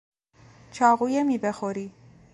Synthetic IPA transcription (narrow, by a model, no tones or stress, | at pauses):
t͡ʃʰɒːɣuːjemiːbexoɾiː